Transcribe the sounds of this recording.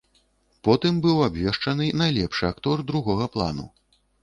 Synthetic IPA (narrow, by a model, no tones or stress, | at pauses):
pɔt̪ɨmbɨwabʲvʲɛʂt͡ʂɐnɨnajlʲɛpʂɨakt̪ɔrd̪ɾuɣɔɣɐplˠa̰nṵ